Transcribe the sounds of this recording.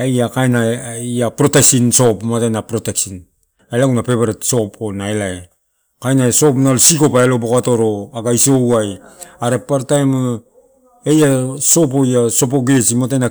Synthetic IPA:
ajakajnaijapɾoteksinso̞pmatajnapɾoteksin | elaɡunape̞βeɾetso̞ponaelae | kajnaeso̞pnalsiko̞paelobokatoɾo̞aɡaisowajaɾepaɾtajm | ejaso̞p̬ojaso̞p̬o̞ɡesimatana

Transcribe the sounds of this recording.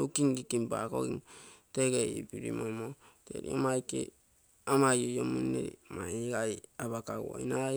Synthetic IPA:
okiŋɡikimba̰ko̰ɡiŋteɡeipiɾḭmomotḛɾḭomajkḛ | amajojomunːḛɾḭmaɡajaβakawo̰ina

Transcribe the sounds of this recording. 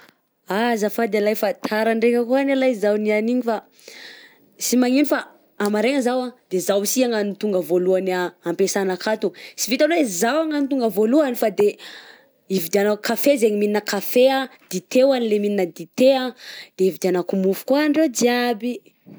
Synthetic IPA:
azafad̪ealajfat̪ʰaɾaɳɖ͡ʐekʲakuanalajzawnianiɲifa | simaŋinifa | amaɾeŋəzawad̪̥ezawisiaŋanit̪uŋɡəvoluanaampesanakat̪usivit̪alwezawaŋanit̪uŋɡəvoluanifad̪e | ivid̪ianakafezeŋimininəkafead̪it̪ewanilemininəd̪it̪ead̪̥eivid̪ianakumufu̥kuaɳɖ͡ʐewd͡z̪iabi

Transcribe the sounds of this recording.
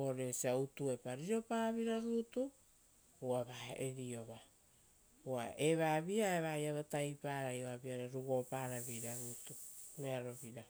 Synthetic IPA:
oɾesiautuepaɾiɾo̞paaβiɾaɾutu | uaβaeɾio̞βa | uaʔeβaβiaeβajaβatajpaɾajoβabiaɾeɾuɡo̞paːɾaβiɾaɾutumeaɾo̞βiɾa

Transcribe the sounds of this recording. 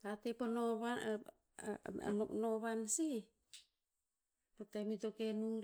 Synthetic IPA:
tateponoβa | nonoβansi | potemitokenuŋɾ

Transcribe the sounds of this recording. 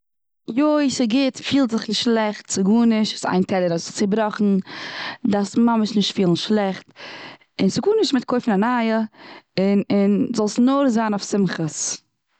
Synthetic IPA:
joɪsɪɡɪtfiːlˠtzɪχnɪʃtʃlˠɛχtsɪɡuːnɪʃtɪ̥sa̰ɪntʰɛlˠəɾast͡sɪbɾɔχn̩ | dasmaməʃnɪʃtfiːlˠn̩ʃlˠɛχt | ɪnsɪɡuːnɪʃtmɪt̚kʰoɪfɪnanaːjəɪnɪnzɔlˠsnoɾzaːnʊfsɪmχəs

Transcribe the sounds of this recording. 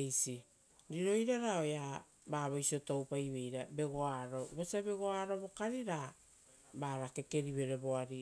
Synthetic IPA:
jsi | ɾiɾo̞jɾaɾao̞ja | baβojsio̞towpajβe̞jɾabe̞ɡo̞aɾo̞βosabe̞ɡo̞aɾo̞βo̞kaɾiɾa | baɾake̞ke̞ɾiβe̞ɾe̞βo̞aɾi

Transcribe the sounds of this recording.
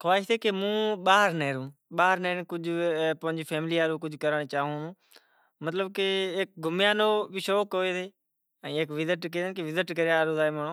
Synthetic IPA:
kʰaːɪʃt̪eːkemũːɓaːɦəɾneːɾũː | ɓaːɦəɾneːɾkʊd͡ʒpə̃ɲd͡ʒpʰeːmɪliːaːɾũːk̬ʊd͡ʒkəɾaːɳet͡ʃaːɦũːnũː | mət̪ləb̚keeːk̚ɡʱʊmjaːnoːbɪʃoːkoːeːd̪eː | əeːkʋɪzɪʈkeːd̪enkeʋɪzɪʈkəɾeaːɾoːd̪aːeːməːnoː

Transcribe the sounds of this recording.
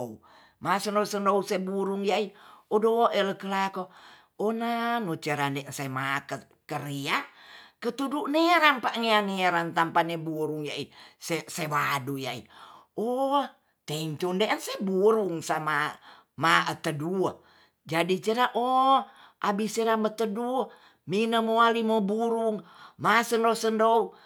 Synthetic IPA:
ou | masənosənousebuɾuŋjaiodoʔeləkəlako | onanot͡ʃəɾandɛʔnsamakə | kəɾiakət̪uduʔneɾanpaʔŋeaneɾant̪ampanebuɾuŋjaisesewadujaḭ | o | t̪ɛiɲt͡ʃundeʔənsebuɾuŋsama | maʔət̪ədu | d͡ʒadit͡ʃəɾaʔo | ʔabiseɾamət̪ədu | minəmoalimobuɾuŋmasəndosəndou

